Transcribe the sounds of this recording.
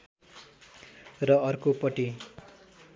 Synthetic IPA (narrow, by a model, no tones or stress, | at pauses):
rʌʌrkopʌʈi